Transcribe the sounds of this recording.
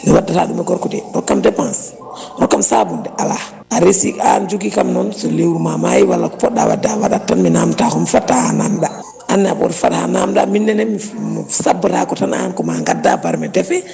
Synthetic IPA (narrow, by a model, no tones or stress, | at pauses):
miwadataɗumɛɡɔɾkudɛɾɔkːamdɛpãns | ɾɔkːamsabundɛala | aɾesiand͡ʒuɡikamnɔnsɔlewɾumamajiwalːakɔ̥pɔɗːa̰wa̰dawaɗatanminamtakɔmifatːahanamɗa | ʔanːɛabɔɾfaɗha̰namɗa̰minːɛnɛmimsabuɾakɔtana̰nkɔmaŋɡadːabaɾmɛdɛfɛ